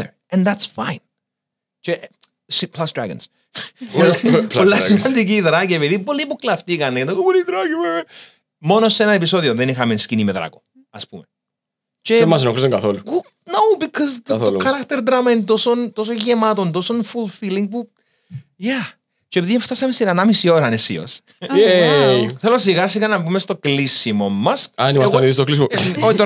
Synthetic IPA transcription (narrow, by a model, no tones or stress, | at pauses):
ə̰˞ | ɛ̃nðætsfãɪ̃n | t͡ʃɛʔ | spʰlasdɹa̰ɡə̰ns | lolasɐnd̪ik̬iðɾaɡeʋeðibolipuklaft̪ikanːeɡɛnd̪oɡubɔɾidɾaɡimɛ | mɔnosɛnaɛp̬isoðioðɛnixamenskinimɛðɾa̰ɡo̥ | ɐspumɛ | t͡ʃɛmas̬nokɾisonɡaθoluku | nowbikʰɔzolʰɐɾakt̪eɾd̪ɾamɐint̪osont̪os̬oɲʝemat̪ont̪osonfulˠfiliŋɡ̚pu | ja | t͡ʃepiðieɱft̪asɐmest̪inɐnamisio̞ɾɐnesḭo̰s | θelos̬iɣas̬iɣɐnɐmbumest̪oklisimomːɐsɐnimɐniðist̪oklisimoot̪o